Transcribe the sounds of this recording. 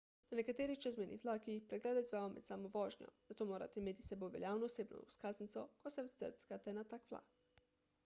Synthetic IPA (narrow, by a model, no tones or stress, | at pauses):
nanekat̪eːɾit͡ʃɛzmɛnḭʋlaːkiixpɾeɡlɛːd̪aizʋaomɛ̰t̪saːmoʋoːʒɲɔ̰z̥at̪omoːɾa̰t̪ɛimeːt̪i̥sɛboʋeljaːwnoːseːbno̰uskaːznit̪sokosɛw̪ə̰ɾt̪kat̪ɛnat̪akʋla̰k